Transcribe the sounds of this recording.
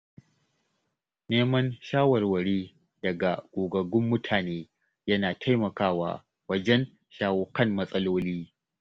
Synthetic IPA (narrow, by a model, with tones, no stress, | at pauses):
neː˦mɐ˦nʃaː˦wɐ˨rwɐ˨ɽeː˦ | dɐ˨ɡa˨ɡ̥ʷʼoː˨ɡɐ˨ɡʊ˦mːʊ˦tʰaː˨neː˦ | jɐ˦naː˨tʰa˦jmɐ˨kaː˦wa̰ː˨ | wɐ˦d͡ʒɛ˦n | ʃaː˦wo˦kɐ˦˨mːɐ˦sʼɐ˦loː˦liː˦